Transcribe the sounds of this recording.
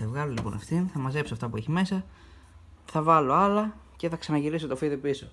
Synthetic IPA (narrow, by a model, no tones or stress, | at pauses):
evɣɐlolipo̞̰nɐ̰ft̪inθɐmɐze̞psoɐft̪ɐpueçime̞sɐ | θɐvɐlo̞ɐlɐce̞θɐksɐnɐʝilisot̪o̞fiðipiso̞